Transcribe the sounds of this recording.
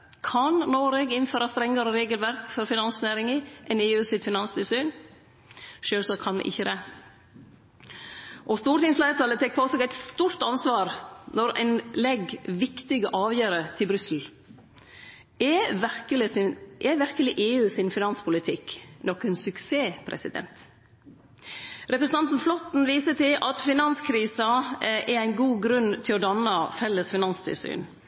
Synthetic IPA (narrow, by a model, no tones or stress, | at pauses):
kʰɑnnoːɾɛɡɪn̩føːɾɑst̪ɾɛŋːəɾəɾeːɡəlʋæɾkfɔɾfɪnɑnsnæːɾɪŋɪʔɛneːʉːsɪt̪fɪnɑnst̪ʉsyːn | ʃøːlsɔkʰɑnʋɛ̰ʔɪçːəd̪ɛ | ʔɔst̪uːɾət̪ɪŋsflæɪət̪ʰɑlət̪ʰɛk̚pʰɔɔsɔɡæɪt̪st̪uːɾt̪ɑnsʋɑːɾnɔɾɛ̰ɪnlɛɡʋɪkt̪ɪɡəʔɑːʋjøːɾət̪ʰɪlbɾʏsl̩ | ɛʋæɾkəlɪsɪʔɛʋɪɾkəlɪʔeːʉːsɪnfɪnɑnspʰʊlɪt̪ʰɪknɔkənsʉkseːpʰɾɛ̰sɪ̰d̪ɛ̰nt̪ | ɾɛpɾəsən̩ɑnt̪n̩flɔt̪n̩ʋiːsət̪ɪlɑt̪fɪnɑnskʰɾiːsɑʔɛɾæɪnɡuːɡɾʉnt̪ʰɪlɔd̪ɑnːɑfɛlːəsfɪnɑnst̪ʰɪ̰lsy̰ːn